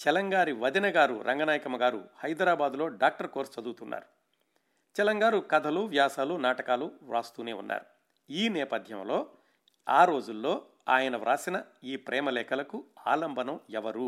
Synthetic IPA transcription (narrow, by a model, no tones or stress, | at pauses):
t͡ʃɛlɐŋɡaːɾiʋɐd̪inɐɡaːɾṵɾʔɐ̰ŋɡɐnaːjɐkɐmɐɡaːɾṵhɐjd̪ɾaːbaːd̪ulo̞ːɖaːk̚ʈɐɾkoːɾst͡ʃɐd̪uːt̪unːa̰ːɾu | t͡ʃɛlɐŋɡaːɾukɐd̪ʱɐluːʋjaːsaːlunaːʈɐkaːluʋɾaːst̪uːneːṵnːa̰ːɾu | iːnɛːpɐd̪ʱjɐ̰mlo̞ː | aːɾo̞ːd͡ʒulːo̞ː | a̰ːjɐnɐʋɾa̰ːsinɐiːpɾʔɛːmɐlɛːkɐlɐkua̰ːlɐmbʱɐnɐmɛʋɐɾu